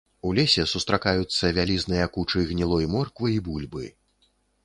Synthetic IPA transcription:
ulʲɛsʲɛsust̪ɾakajut̪sːɐvʲalʲiznɨjɐkut͡ʂɨɣnʲilˠɔjmɔrkvɨibulʲbɨ̰

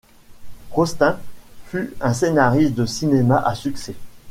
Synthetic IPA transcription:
ʁɔst̪ɛ̃fyɛ̃senaʁist̪̚d̪əsinemaʔasyksɛ

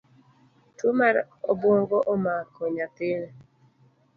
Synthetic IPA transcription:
tʰumaɾ | oboŋɡɔʔomakoɲat̪ɪn

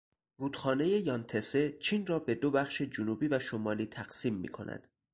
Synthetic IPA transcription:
ruːd̪̥xɒːne̞je̞jɒːnt̪ʰe̞se̞t͡ʃʰiːnrɒːbe̞d̪o̞bæχʃe̞d͡ʒonuːbiːvæʃomɒːliːt̪ʰæɢ̥siːmːḭːkʰo̞̰næ̰d̪̥

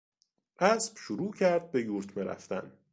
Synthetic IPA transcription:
ʔæsb̥ʃuɾuːcʰæɾd̪̚bejuːɾt̪ʰmeɾæ̰ft̪æ̰n

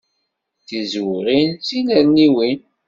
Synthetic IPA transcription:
θizwɾinsinəɾniwin

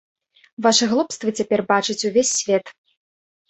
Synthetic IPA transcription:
vaʂɨɣlˠɔpst̪vɨt͡sʲapʲɛrbat͡ʂɨt͡sʲuvʲesʲːvʲɛt̪

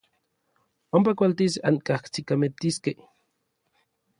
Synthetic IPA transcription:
ompakʷalt̪isa̰ŋkakt͡sikamet̪iskeh

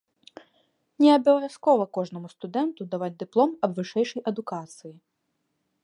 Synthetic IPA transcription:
nʲɛɐbʲɐlɐvʲaskɔvɐkɔʐnɐmust̪ud̪ɛnt̪ud̪avad͡zʲd̪ɨplˠɔmɐbvɨʂɛjʂɐjʔɐd̪ukat̪sɨji

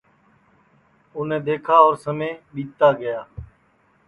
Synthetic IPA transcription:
ʊnẽːd̪eːkʰaːɔːɾsəmẽːɓiːt̪aːɡəjaː

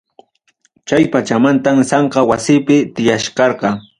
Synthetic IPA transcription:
t͡ʃajpat͡ʃamant̪amsɑɴqɑwasɪpɪt̪ɪjaʃkɑɾqɑ

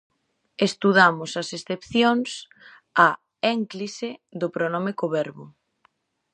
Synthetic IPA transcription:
est̪uðamʊsɐsesθepθjoŋs | a | ɛŋkliseðʊpɾonomekoβɛɾβʊ

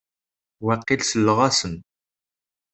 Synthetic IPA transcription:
wæqːilsəlːəʁasən

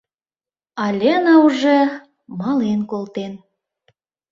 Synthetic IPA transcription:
ɑlʲenɑuʒe | mɑlenkolt̪en

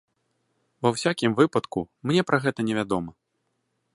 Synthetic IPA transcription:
vɐwsʲakʲimvɨpɐt̪kṵmnʲɛpɾʔaɣɛt̪ɐnʲɛvʲad̪ɔmɐ

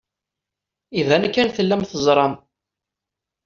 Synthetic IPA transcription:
ivænkːænθəlːæmθəzˤɾˤɑm

